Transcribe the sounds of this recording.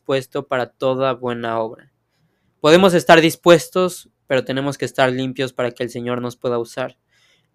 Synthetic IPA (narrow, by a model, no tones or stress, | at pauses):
spwe̞st̪o̞paɾat̪o̞ðaβwe̞nao̞βɾa | po̞ð̞e̞mo̞s̬e̞st̪aɾðispwe̞st̪o̞s | pe̞ɾo̞t̪e̞ne̞mo̞ske̞ːst̪aɾlimpjo̞spaɾake̞ːlse̞ɲo̞ɾno̞spwe̞ðausaɾ